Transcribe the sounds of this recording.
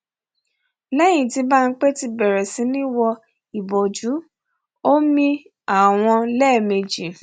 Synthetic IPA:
lɛ̃˦ĩ˨ti˧˦ba˦n̩˦k͡pe˦ti˧bɛ˨ɾɛ˨sĩ˨˦nĩ˦wɔ˧ | i˨bo˨d͡ʒu˨˦ | o˦mĩ˧ | a˨w̃ɔ̃˧lɛ˦˨me˨d͡ʒi˨

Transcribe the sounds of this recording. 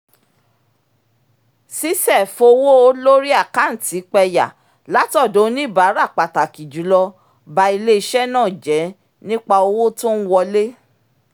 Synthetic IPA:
si˦sɛ˦˨fo˧wo˦o˧lo˦ɾi˦a˦˨ka˨˦n̩˨ti˨˦k͡pɛ˧ja̰˨ | la˨˦tɔ˦˨do˨˦nĩ˦˨ba˨˦ɾa˦˨k͡pa˨ta˨ki˨d͡ʒu˨˦lɔ˧ | ba˧i˧le˦i˧ʃɛ˦nãː˦˨d͡ʒɛ˨˦ | nĩ˦k͡pa˧o˧wo˦to˦n̩˦wɔ˧le˦

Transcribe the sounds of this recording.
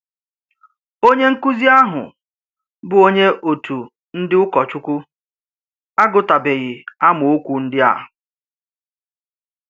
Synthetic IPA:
o˦ɲe˦ŋ̩˦ku˦zi˦a˦ɦʊ̰˨ | bʊ˨o˦ɲe˦ʔo˨tʰu˨ | n̩˦dɪ˦ʊ˦kɔ˨t͡ʃʊ˦kʷʊ˦ | a˦ɡʊ˨ta˨be˨ɣɪ˨a˦mʊ˨o˦kʷu˨n̩˦dɪ˦a̰˨ɦʊ˨

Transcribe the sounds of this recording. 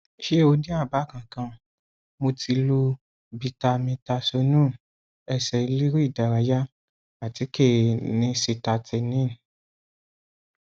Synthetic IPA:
ʃe˦o˧nĩ˦a˦˨ba˨˦˨kã˨kã˧ | mo˧tʰi˧lu˧ | bi˧ta˧mĩ˧ta˧so˧nũ˦˨ | ɛ˧sɛ˨i˧li˦ɾi˦i˦˨da˨ɾa˨˧ja˦ | a˨ti˨˦ke˦˨nĩ˧˦se˧ta˧tʰe˧nĩ˦˨

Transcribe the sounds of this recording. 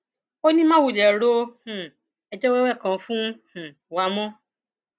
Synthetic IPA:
o˦nĩ˦mã˦˨wu˨d͡ʒɛ˨ɾo˧˦hũ˨ | ɛ˧d͡ʒɔ˦wɛ˦wɛ˦˨kã˨˧fũ˦h̩˨ | wa˨˦mɔ̃˦

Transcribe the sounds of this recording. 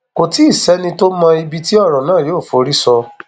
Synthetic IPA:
ko˨ti˦i˦˨sɛ˨˦nĩ˧to˦mã˧i˧bi˧ti˦ɔ˦˨ɾɔ̃˨nãː˦˨joː˦˨fo˨˦ɾi˦sɔ˧

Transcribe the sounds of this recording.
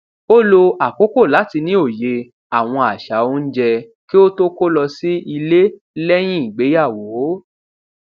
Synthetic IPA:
o˦lo˧a˨ko˨˦ko˦˨la˨˦ti˧nĩ˦o˦˨je˧ | a˨w̃ɔ̃˧a˨ʃa˨˦o˦n̩˦d͡ʒɛ˧ | ki˦o˦to˦ko˦lɔ˧si˦i˧le˦ | lɛ˦j̃ĩ˦i˨ɡ͡be˨˦ja˦˨wo˨˦

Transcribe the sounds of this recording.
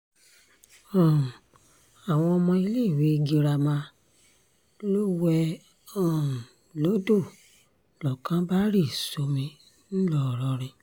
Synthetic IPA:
ɔ̃˨ | a˨w̃ɔ̃˧ɔ˧mɔ̃˧i˧le˦˨wi˨˦˧ɡi˧ɾa˧mã˧ | lo˦wɛ˧ | ɔ̃˦˨ | lo˨˦do˦˨ | lɔ˨kã˨˦ba˦ɾi˦˨so˧˦mĩ˧ | n̩˦lɔ˦˨ɾɔ˧˦ɾ̃ĩ˧

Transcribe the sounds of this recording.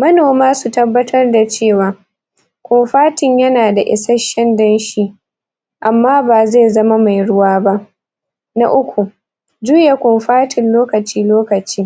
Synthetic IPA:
mɐ˦noː˨maː˦su˨tɐ˦bːɐ˦tʰɐ˦rda˨t͡ʃeː˦˨waː˨ | kʷʊ˨ɸaː˦tɪ˨ɲjɐ˦naː˨da˨ʔɪ̰˨sɐ˦ʃɐ˦ndɐ˦nʃi˦ | ʔa˨mːaː˦baː˨ze˦˨zɐ˦ma˦ma˨jɽʊ˦waː˦ba˦ʔ | na̰˦ʔʊ˦kʷu˨ | d͡ʒuː˦ja˨kʷʊ˨mɸaː˦tʰɪ˨nloː˦kɐ˨t͡ʃiː˦loː˦kɐ˨t͡ʃiː˦

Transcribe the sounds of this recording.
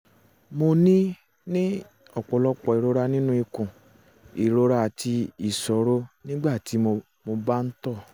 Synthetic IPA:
mo˧nĩ˦ | nĩ˦ | ɔ˦˨k͡pɔ˨lɔ˦k͡pɔ˨i˨ɾo˦ɾa˧nĩ˦nũ˦i˧kũ˨ | i˨ɾo˧˦ɾa˦a˨ti˧i˨sɔ˨˦ɾo˦nĩ˦ɡ͡ba˦˨ti˨˦˧ | mo˧ba˦n̩˦tɔ˦˨

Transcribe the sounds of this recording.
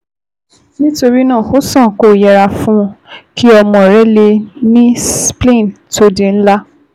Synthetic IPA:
nĩ˦to˧ɾi˦nãː˦˨ho˦sɔ̃˦˨ko˦˨jɛ˧ɾa˧fũ˦ki˦ɔ˧mɔ̃˨ɾɛ˨˦le˧nĩ˦splẽ˦˨to˧dẽ˨n̩˦la˦

